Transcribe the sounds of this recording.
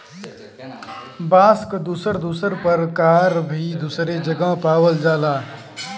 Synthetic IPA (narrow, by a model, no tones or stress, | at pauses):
baːskd̪uːsəɾd̪uːsəɾpɐɾkaːɾbʱid̪uːsɾed͡ʒəɡapaːwəld͡ʒaːlaː